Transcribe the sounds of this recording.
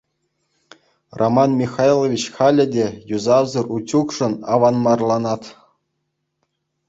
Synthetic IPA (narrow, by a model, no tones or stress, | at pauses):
rʔomɑnmʲixɑjlˠoʋʲit͡ɕχɑlʲɘ̆dʲejuzɑzɤ̆rut͡ɕukʂɤ̆nɑʋɑnmɑrlˠɑnɑt̪